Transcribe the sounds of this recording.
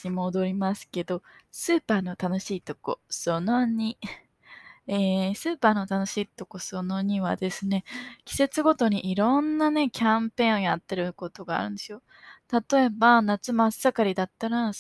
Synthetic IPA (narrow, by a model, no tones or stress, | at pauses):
imo̞ːd̪o̞ɾʲimasɨ̥ke̞d̪o̞sɨːpaːno̞t̪ano̞ɕiːt̪o̞ko̞̰so̞no̞ɲ̟i | eːsɨːpaːno̞t̪ano̞ɕiːt̪o̞koso̞no̞ɲ̟iβa̰d̪e̞sɨne̞kʲi̥se̞t͡sɨɡo̞t̪o̞ɲ̟iʔiɾõ̞nːane̞kʲãmpẽ̞ːo̞jat̪ːe̞ɾɯ̟ko̞t̪o̞ɡa̰ːɾɯ̟̃nd̪e̞sɨjo̞ | t̪at̪o̞e̞banat͡sɨmasːakaɾʲid̪at̪ːaɾa